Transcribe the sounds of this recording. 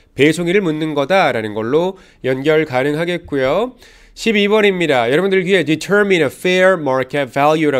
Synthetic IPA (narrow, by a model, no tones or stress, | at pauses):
pe̞sʰoŋiɾɯɭmunːɯnɡʌdaɾanɯnɡʌɭːo | jʌnɡjʌɭkanɯŋɦaɡe̞t̚k͈ujo | ɕʰibiwʌɾimɲidajʌɾʌbundɯɭɡɥiɦe̞ditʰəɾminʌfeɹmaɾkʰet̚v̥ajuɾa